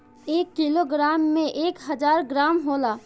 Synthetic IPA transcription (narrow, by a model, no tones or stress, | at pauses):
eːkːiloɡɾaːmːẽʔeːkɦəd͡ʒaːɾɡɾaːmɦoːlaː